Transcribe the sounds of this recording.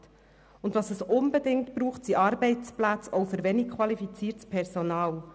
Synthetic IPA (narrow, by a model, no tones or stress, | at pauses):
t | ʊndvɑːsəsʊnbədɪŋtb̥ɾuːχtsiʔɑːɾbɛɪt͡splæt͡sɔʊfʏɾʋɛnik̚kʰwɑlifit͡siːɾtspʰɛɾsonɑːl